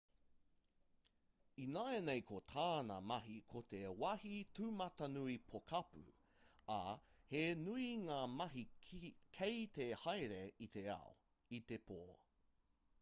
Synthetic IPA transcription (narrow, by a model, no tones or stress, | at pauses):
inaenejkʰot̪ʰaːnɐ̰mɐɦikʰot̪ewɐhitʉmɐt̪ɐnuipʰokʰɐpʉ̰ | ɐ̰henuiŋaːmɐɦikʰejt̪ehajɾeit̪eɐ̰o̰ | it̪epoː